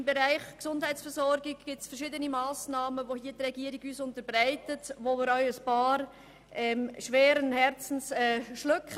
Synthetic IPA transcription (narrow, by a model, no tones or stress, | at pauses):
ɪmbɛɾaɪχksʊnd̥haɪtt͡ssfɛɾzɔɾɡɪɡɡ̥ɪsfəɛɾʃiːdənimaːsnɑːməvoɦiːədɾɛɡiːəɾɪɡyːsʊntəɾbɾaɪtətʋomɪːɾœʏəspɑːɾ | ʔɛːmʃʋɛːɾənhɛɾt͡sn̩sɛːʃløkχə